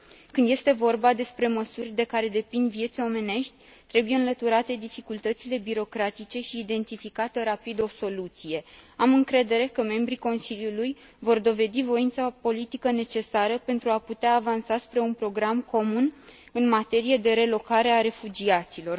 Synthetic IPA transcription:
kɨnd̪je̞st̪e̞vo̞rbad̪e̞spɾe̞məsurʲd̪e̞kaɾe̞d̪e̞pind̪vje̞t̪sʲo̞me̞ne̞ʃt̪ʲ | t̪ɾe̞buje̞ɨnlət̪uɾat̪e̞d̪ifikult̪ət̪sile̞biɾo̞kɾat̪it͡ʃe̞ʃiːd̪e̞nt̪ifikat̪eɾapid̪o̞so̞lut̪sije̞amɨŋkɾe̞d̪e̞ɾe̞kəme̞mbɾiko̞nsiljuluj | vo̞rd̪o̞ve̞d̪ivo̞int̪sapo̞lit̪ikəne̞t͡ʃe̞saɾəpe̞nt̪ɾuaput̪eaːvansaspɾe̞unpɾo̞ɡɾamko̞mun | ɨnmat̪e̞ɾije̞d̪e̞ɾe̞lo̞kaɾeaɾe̞fud͡ʒiat̪silo̞r

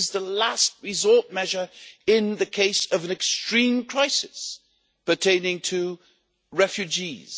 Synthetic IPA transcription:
zðəlæst̚ɹɨzɔɹt̚mɛʒə˞ɪ̃nðɨkʰeɪsʌvɨ̃nɨkstɹ̥ĩmkʰɹ̥aɪsɨs | pə˞tʰẽɪ̃nɪ̃ŋtʰɨ | ɹɛfjʉd͡ʒiz̥

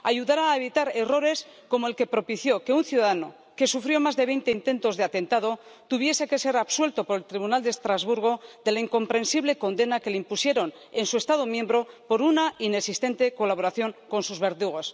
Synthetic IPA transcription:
aʝuðaɾaːeβ̞it̪aɾe̞ro̞ɾe̞sko̞moelke̞pɾo̞piθjo̞ke̞unθjuðaðano̞ | ke̞sufɾjo̞mazðe̞βe̞jnt̪e̞int̪e̞nt̪o̞zðe̞at̪e̞nt̪aðo̞t̪uβ̞je̞se̞ke̞se̞ɾaβswe̞lt̪o̞poɾe̞lt̪ɾiβunald̪est̪ɾazβuɾɣ̞o̞ðe̞laiŋko̞mpɾe̞nsiβle̞ko̞nd̪e̞nake̞leimpusje̞ɾo̞n | ensue̞st̪aðo̞mjẽ̞mbɾo̞po̞ɾunainesist̪e̞nt̪e̞ko̞laβ̞o̞ɾaθjo̞ŋko̞nsuzβe̞ɾðuɣ̞os

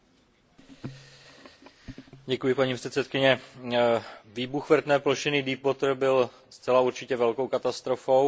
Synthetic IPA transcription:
ɟɛkujɪpaɲiːpr̥ɛt̪sɛt̪kɪɲɛ | viːbuxvr̩t̪nɛːploʃɪnɪdiːpot̪r̩bɪl | st͡sɛlauɾt͡ʃɪcɛvɛlko̞wkat̪ast̪ɾo̞fo̞w

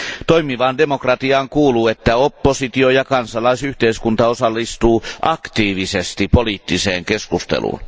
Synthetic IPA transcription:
t̪oimiʋɑndemokrɑt̪iɑːŋkuːluːet̪ːæopːosit̪iojɑkɑnsɑlɑisyht̪eiskunt̪ɑosɑlːist̪uːʔɑkt̪iːʋisest̪ipoliːt̪ːiseːŋkeskust̪ḛlṵːn

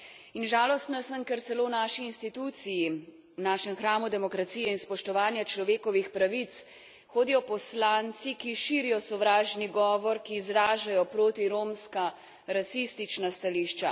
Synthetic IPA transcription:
inʒaːlɔst̪nasəmkɛɾt̪sɛloːwnaːʃiːnst̪it̪ut̪siji | wnaːʃɛmxɾaːmud̪ɛmɔkɾat̪siːjɛinspɔʃt̪ɔʋaːnjat͡ʃlɔʋeːkɔʋixpɾaʋit̪s | xoːd̪ijɔpɔslaːnt̪sikiʃiːɾijɔsɔʋɾaːʒniɡɔːʋɔɾkiːzɾaːʒajɔpɾoːt̪iɾoːmska | ɾasist̪it͡ʃnast̪aliʃt͡ʃa̰

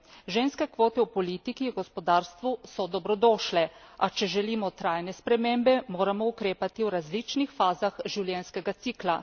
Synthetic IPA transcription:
ʒenskɛkʋoːt̪ɛwpɔliːt̪ikiɡɔspɔd̪aːɾst̪ʋusɔd̪ɔbɾɔd̪oːʃlɛat͡ʃɛʒɛliːmɔt̪ɾajnɛspɾɛmembɛmoːɾamɔukɾeːpat̪iwɾazlit͡ʃnixfaːzaxʒiwljɛnskɛɡat̪siːkla

